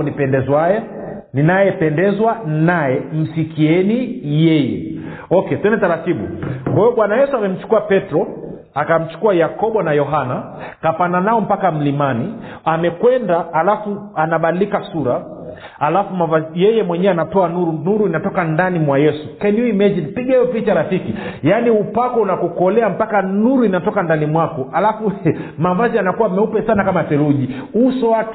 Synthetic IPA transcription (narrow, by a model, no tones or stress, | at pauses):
nipɛndɛzwaja | ninajɛpɛndɛzwanajɛm̩sikʰiɛnijɛjɛ | ɔkɛtuɛndɛtaɾatiɓṵkwahiɔɓwanajɛsuamɛm̩t͡ʃu̥kuapɛtɾɔ | akam̩t͡ʃu̥kuajakɔɓɔnajɔɦana | kapananaɔm̩pakam̩limaniamɛkwɛndaːlafuanaɓadilikasuɾa | alafumavazijɛjɛmwɛɲɛanatɔanuɾunuɾuinatɔkandanimwajɛsukɛnjuimɛd͡ʒinpiɡɛɛɔpit͡ʃaɾafikijaniupakɔunakukɔlɛam̩pakanuɾuinatɔkandanimwakɔalafumavazianakuwamɛupɛsanakamasɛɾuʄi | usɔwat